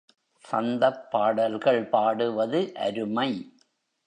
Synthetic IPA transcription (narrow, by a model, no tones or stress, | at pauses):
sɐ̰nd̪ɐpːaːɽɐlɣɐɭpaːɽɯʋɐðɯʔɐ̰ɾɯmɐɪ